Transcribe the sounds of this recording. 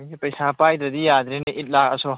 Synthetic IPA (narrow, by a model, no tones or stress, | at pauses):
ipɐjsapajd̪ɾɐdijad̪ɾinɐʔit̚lak̚ɐso